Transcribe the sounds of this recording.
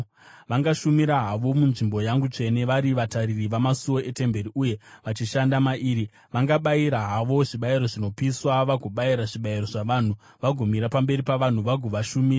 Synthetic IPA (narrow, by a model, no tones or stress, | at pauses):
ʋaŋɡaʃumiɾaɦaʋo̞munʐimbo̞jaŋɡut͡ʂe̞ne̞ʋaɾiʋataririʋamasuwo̞ʔe̞te̞mbe̞ɾiʔuje̞ʋat͡ʃiʃandamaʔiːɾi | ʋaŋɡaɓaiɾaɦaʋo̞ʐiɓaiɾo̞ʐino̞piswaʋaɡʱoɓaiɾaʐiɓaiɾo̞ʐaʋaːn̤u | ʋaɡʱomiɾapambe̞ɾipaʋan̤uʋaɡʱoʋaʃumiːra